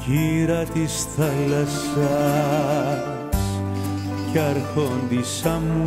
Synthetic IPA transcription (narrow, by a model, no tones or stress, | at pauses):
ʝiɾɐt̪isθɐlɐs | ɐ | s | cɐɾxond̪isɐmu